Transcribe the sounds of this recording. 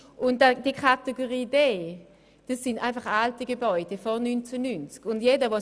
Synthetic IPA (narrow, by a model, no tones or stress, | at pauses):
ʔʊnadikʰateɡoʁiːdeː | d̥asːɪndʔaɪnfaχaltiɡebɔʏdɛfɔnynt͡sɛnynt͡skʊndjedɐvo